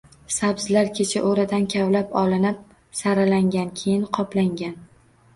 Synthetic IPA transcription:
sabz̥laɾkʲʰet͡ʃʰaʔoɾɪd̪ankʲʰavlapɒlɪnɪp̚ | saɾalaŋɡʲankʲʰejɪnqʰɒplaŋɡʲan

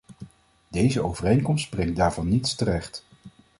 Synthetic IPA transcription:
dejzəowvərejŋkɔmstbrɪŋt̚daːɹvɑnːitstərɛχt

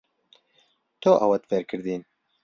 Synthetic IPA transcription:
t̪oʔɐwɐt̪feɾkʰɨɾd̪iːn

